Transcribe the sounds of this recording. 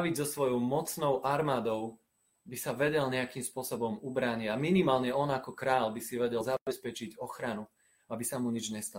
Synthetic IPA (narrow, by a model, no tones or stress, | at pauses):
ʋizɔsʋɔjɔʊmɔt͡snɔʊʔaɾmaːd̪ɔʊ | bisaʋɛɟɛlɲɛakiːmspʊɔsɔbɔmubɾaɲɪɛaminimaːlɲɛɔnakɔkɾaːʎbisiʋɛɟɛlzaɛspɛt͡ʃiɟɔxɾanu | abisamuɲid͡ʒɲɛst̪a